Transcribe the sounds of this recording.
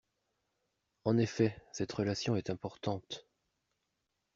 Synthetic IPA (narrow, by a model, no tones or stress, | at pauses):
ɑ̃nefɛsɛt̪ʁəlasjɔ̃ɛt̪ɛ̃pɔʁt̪ɑ̃t̪